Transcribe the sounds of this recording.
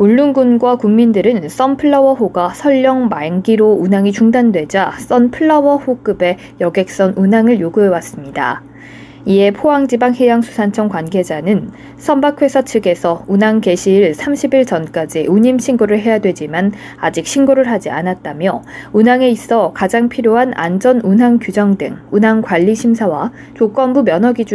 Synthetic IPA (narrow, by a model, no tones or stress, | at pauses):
uɭːunɡunɡwakuŋmindɯɾɯns͈ʌnpʰɯɭːʌbʌɸoɡasʰʌʎːʌŋmaŋɡiɾounɦaŋit͡ɕuŋdandwe̞d͡ʑas͈ʌnpʰɯɭːʌbʌɸok͈ɯbe̞ | jʌɡe̞k̚s͈ʌnʔunɦaŋɯɭjoɡuɦe̞was͈ɯmɲida̰ | ie̞pʰoaŋd͡ʑibaŋhejaŋsʰu̥sʰant͡ɕʰʌŋkwanɡe̞d͡ʑanɯn | sʰʌnbakʰwe̞sʰat͡ɕʰɯɡe̞sʰʌunɦaŋke̞ɕʰiːɭsʰamɕʰibiɭt͡ɕʌnk͈ad͡ʑiuɲimɕʰiŋɡoɾɯɭɦe̞jadwe̞d͡ʑiman | ad͡ʑik̚ɕʰinɡoɾɯɭɦad͡ʑianat̚t͈amjʌunɦaŋe̞is͈ʌkad͡ʑaŋpʰiɾjoɦanʔa̰nd͡ʑʌnunɦaŋkjud͡ʑʌŋdɯŋunɦaŋkwaʎːiɕʰimsʰawa | t͡ɕok͈ʌnbumjʌnʌɡid͡ʑ